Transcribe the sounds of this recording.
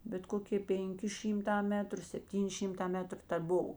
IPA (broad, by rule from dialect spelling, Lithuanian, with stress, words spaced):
bʲɛt ˈkoːkʲeː ˈpʲeːŋʲˌkʲɪ ˈʃʲiːmˌtɑː ˈmʲæːtrʊ sʲɛpʲˈtʲiːnʲɪ ˈʃʲɪmˌtɑː ˈmʲæːtrʊ tɐ ˈbʊw